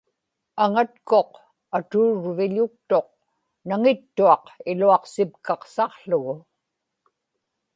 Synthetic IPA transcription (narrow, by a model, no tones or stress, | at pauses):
aŋat̪ko̞q | at̪uːɻvɪʎʊk̚t̪o̞q̚ | naŋɪt̪ːuɑqɪluɑqsɪpkɑqsɑqɬʊɣʊ